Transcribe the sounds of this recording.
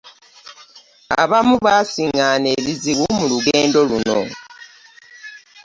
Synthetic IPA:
a̰βamuβasiŋaːne̞βiziɣumuluɡeːndo̞luno̞̰

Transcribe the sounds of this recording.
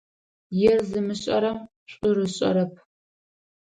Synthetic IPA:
jɛrzɨmɨɕʼɐɾɐm | ɕʷʼʊrɨɕʼɐ̰ɾɐpʰ

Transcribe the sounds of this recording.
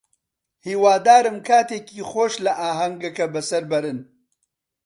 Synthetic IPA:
hiːwaːd̪aːɾɨmkʰaːt̪eːkiːxoːʃlɐʔaːɦɐŋɡɐkɐbɐsɐɾbɐɾɨn

